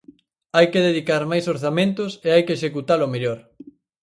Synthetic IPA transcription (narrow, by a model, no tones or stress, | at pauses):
ajkeðeðikaɾmajsoɾθamẽnt̪ʊseajkeʃekut̪alomeʎoɾ